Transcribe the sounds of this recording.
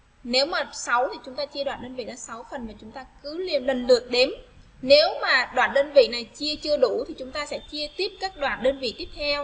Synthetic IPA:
ne˨˦wmaː˨˩sa˨˦wt̪ʰi˨˩t͡ɕʊ˨˦ŋ͡mt̪aː˧t͡ɕi˧əɗwa̰ː˧˨nɗəː˧nvḭ˧˨ɗɔ˨˦sa˨˦wfə˨˩nmaː˨˩t͡ɕʊ˨˦ŋ͡mt̪aː˧kɨ˨˦li˧˩ənlə˧˩nlɨ˨˩ək̚ɗe˨˦m | ne˨˦wmaː˨˩ɗwa̰ː˧˨nɗəː˧nvḭ˧˨na˨˩jt͡ɕi˧ət͡ɕɨ˧əɗu˧˩t̪ʰi˨˩t͡ɕʊ˨˦ŋ͡mt̪aː˧sɛ̰˧˥t͡ɕi˧ət̪i˦˥əp̚kaː˦˥k̚ɗwaː˧˨nɗəː˧nvḭ˧˨t̪i˦˥əp̚t̪ʰɛ˧w

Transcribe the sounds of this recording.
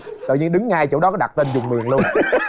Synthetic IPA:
t̪ə̰˧˨ɲi˧nɗɨ˨˦ŋhaː˧jt͡ɕo̰˧˩˦wɗɔ˨˦kɔ˨˦ɗa̰˨˩t̚t̪e˧nzʊ˨˩ŋ͡mmḭ˨˩əŋlu˧ən

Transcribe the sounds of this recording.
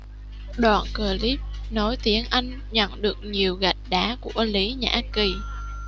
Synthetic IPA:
ɗwa̰ː˧˨˩nkəː˨˩li˦˥p̚nɔ˨˦jt̪i˨˦ənʔa˧jŋ̟ | ɲə̰˧˨nɗɨ˨˩ək̚ɲi˨˩əwɣa˨˩jk̚ɗaː˨˦ku˧˩əli˨˦ɲa̰ː˧˩ki˨˩

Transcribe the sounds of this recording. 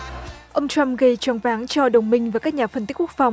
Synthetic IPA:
ʔə˧wŋ͡mt͡ɕwa˧mɣə˧˩jt͡ɕɔ˨˦ŋvaː˨˦ŋt͡ɕɔ˧ɗə˨˩wŋ͡mmï˧ŋ̟vaː˨˩kaː˦˥k̚ɲaː˨˩fə˧nt̪kk̚fa˨˩wŋ͡m

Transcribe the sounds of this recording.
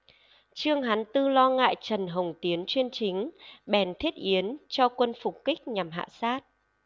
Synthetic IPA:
t͡ɕɨ˧əŋɦa˨˦nt̪ɨ˧lɔ˧ŋa̰ː˧˨jt͡ɕə˨˩nɦə˨˩wŋ͡mt̪i˨˦ənt͡ɕwi˧ənt͡ɕï˨˦ŋ̟ɓɛ˨˩nt̪ʰi˦˥ət̚ʔi˨˦ənt͡ɕɔ˧kwə˧nfʊ˨˩k͡p̚ki˦˥k̟̚ɲa˨˩mɦa̰ː˧˨saː˦˥t̚

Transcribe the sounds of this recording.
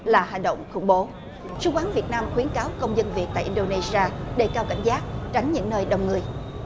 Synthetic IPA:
laː˨˩ha˨˩ŋ̟ɗə̰˧˨wŋ͡mxʊ̰˧˩ŋ͡mɓo˨˦ | su˧˩kwaː˨˦nvi˨˩ət̚naː˧mxwi˨˦ənkaː˨˦wkə˧wŋ͡mzə˧nvi˨˩ət̚t̪a̰ː˧˨jʔi˧nɗo˧ne˧zi˧aː˧ɗe˧˩kaː˧wka̰˧˩jŋ̟zaː˦˥k̚t͡ɕa˨˦jŋ̟ɲɨ̰˧˥ŋnəː˧jɗə˨˩wŋ͡mŋɨ˨˩əj

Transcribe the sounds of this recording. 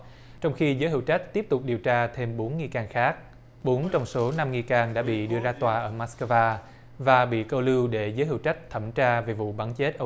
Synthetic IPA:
t͡ɕɔ˧wŋ͡mxi˧zəː˨˦jɦḭ˧˩˨wt͡ɕa˦˥k̟̚t̪i˦˥əp̚t̪ʊ˨˩k͡p̚ɗi˨˩əwt͡ɕaː˧t̪ʰe˧mɓo˨˦nŋi˨˩jkaː˧˩nxaː˦˥k̚ | ɓo˨˦nt͡ɕɔ˧wŋ͡mso˨˦na˧mŋi˨˩jkaː˧˩ŋɗa̰ː˧˥ɓḭ˧˨ɗɨ˧əzaː˧t̪waː˨˩ʔəː˧˩maː˦˥skə˧vaː˧ | vaː˨˩ɓḭ˧˨kə˧wlɨ˧wɗe˧˩zəː˨˦ɦi˧˩˨wt͡ɕa˦˥k̟̚t̪ʰə˧˩mt͡ɕaː˧ve˨˩vṵ˧˨ɓa˨˦nt͡ɕe˦˥t̚ʔə˧

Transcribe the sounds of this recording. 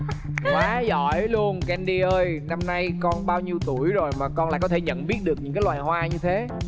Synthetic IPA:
kwaː˨˦zɔ̰˧˩˨jlu˧ənkːʔɛ˧mɗi˧ʔəː˧jna˧mna˧jkɔ˧nɓaː˧wɲi˧əwt̪u˧˩əjzo˨˩jmaː˨˩kɔ˧naː˧˨jkɔ˨˦t̪ʰe˧˩ɲə̰˧˨nɓi˦˥ət̚ɗɨ˨˩ək̚ɲɨ̰˧˥ŋkaː˨˦jlwaː˨˩jhwaː˧ɲɨ˧t̪ʰe˨˦

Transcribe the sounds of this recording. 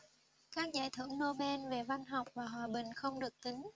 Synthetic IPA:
kaː˦˥k̚zaː˧˩jt̪ʰwɨ˧˩əŋno˧ɓɛ˧nve˨˩va˧nɦa˨˩wk͡p̚vaː˨˩ɦwaː˨˩ɓï˨˩ŋ̟xə˧wŋ͡mɗɨ˨˩ək̚t̪i˨˦ŋ̟

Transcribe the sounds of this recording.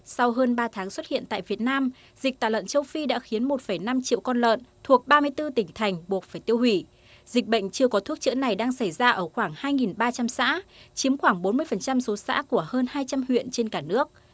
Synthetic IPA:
sa˧wɦəː˧nɓaː˧t̪ʰaː˨˦ŋswə˦˥t̚hḭ˧˨ənt̪a̰ː˧˨jvi˨˩ət̚naː˧m | z̥i˨˩k̚t̪a̰ː˧˨˩lwə̰˧˨nt͡ɕə˧wfi˧ɗa̰ː˧˥xi˨˦ənmo˨˩t̚fə˧˩jna˧mt͡ɕḭ˧˨əwkɔ˧nlə̰ː˧˨nt̪ʰu˨˩ək̚ɓaː˧mɨ˧əjt̪ɨ˧t̪ï˧˩ŋ̟t̪ʰa˨˩jŋ̟ɓu˨˩ət̚faː˨˩jt̪i˧əwhwi˧˩ | zï˨˩k̚ɓə̰˧˨ŋ̟t͡ɕɨ˧əkɔ˨˦t̪ʰu˦˥k̚t͡ɕɨ̰˧˥əna˨˩jɗaː˧ŋsa˧˩jzaː˧ʔəː˧˩xwaː˧˩ŋhaː˧jŋi˨˩nɓaː˧t͡ɕa˧msa̰ː˧˥t͡ɕi˨˦əmxwaː˧˩ŋɓo˨˦nmɨ˧əjfə˨˩nt͡ɕa˧mso˨˦sa̰ː˧˥ku˧˩əhəː˧nhaː˧jt͡ɕa˧mhwḭ˧˨ənt͡ɕe˧nkaː˧˩nɨ˦˥ək̚

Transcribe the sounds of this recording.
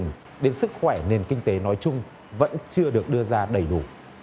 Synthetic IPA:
ŋ | ɗe˨˦nsɨ˦˥k̚xwɛ˧˩ne˨˩nkï˧ŋ̟t̪e˨˦nɔ˨˦jt͡ɕʊ˧ŋ͡m | və̰˧˥nt͡ɕɨ˧əɗɨ˨˩ək̚ɗɨ˧əzaː˧ɗə˧˩jɗṵ˧˩

